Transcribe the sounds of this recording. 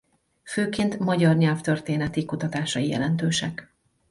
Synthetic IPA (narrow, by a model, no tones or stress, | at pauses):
føːkeːnt̪mɒɟɒrɲɛlft̪ørt̪eːnɛt̪ikut̪ɒt̪aːʃɒijɛ̰lɛnt̪øːʃɛk